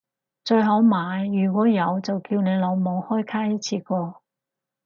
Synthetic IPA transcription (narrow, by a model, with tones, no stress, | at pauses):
t͡ʃɵ˧ɥɦɐ˨˥wmaː˨˧jːyː˨˩kʷɔː˨˥jɐ˨˧wt͡sɐ˨wkiː˧wne˨˧jlo˨˧wmo˨˧whɔː˥jkʰaː˥jɐ˥t̚t͡sʰiː˧kɔː˧